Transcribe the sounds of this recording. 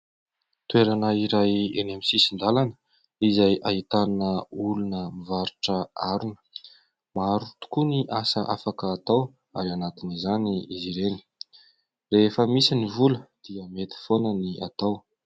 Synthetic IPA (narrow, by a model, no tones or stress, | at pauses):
t̪ueɾanəiɾajenemisisind̪alanə̥ | izajʔaɦit̪aninəulunəmivaɾuʈ͡ʂəaɾunə̥ | maɾut̪u̥kuniʔasəʔa̰fakəːt̪aw | aɾanat̪inizaniiziɾeni̥ | refəmisinivuləd̪̥iəmet̪i̥fonəniʔa̰t̪aw